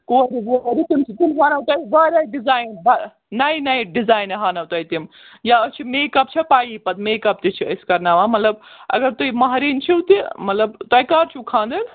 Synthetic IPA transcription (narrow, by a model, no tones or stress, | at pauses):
koːɾiboɾit̪imt͡ʃʰit̪imɦaːnɐwt̪ɐjbaːɾɐjɖizaːjnbɐ | nɐjnɐjɖizaːjnɐɦaːnɐwt̪ɐjt̪im | jaɐt͡ʃʰimeːkɐp̚t͡ʃʰɐpaːjipɐt̪̚meːkɐp̚t̪it͡ʃʰiɐskɐɾnaːʋaːmɐt̪lɐb̚ɐ̰ɡɐɾt̪ujmɐɦɾiːnt͡ʃʰiwt̪imɐt̪lɐbt̪ɐjkaːɾt͡ʃʰukʰãːnd̪ɐl